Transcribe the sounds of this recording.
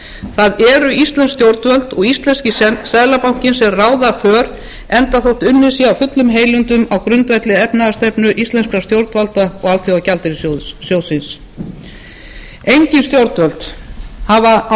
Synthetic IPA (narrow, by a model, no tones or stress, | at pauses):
θaðɛɾʏist̪lɛnst̪jowɾt̪vœlt̪ɔɣist̪lɛnscɪssaðlapawɲ̥cɪnsɛɾraːwðafœːɾ | ɛnt̪aθowht̪ʏnːɪ̥siawfʏt̪lʏmɦeːjlʏnt̪ʏmawkɾʏnt̪vɛjt̪lɪɛpnaðast̪ɛpnʏʔist̪lɛnskast̪jowɾt̪valt̪aɔɣalt̪θjʏawcalt̪ɪɾɪssjowðsɪns | ejɲcɪnst̪jowɾt̪vœlt̪hava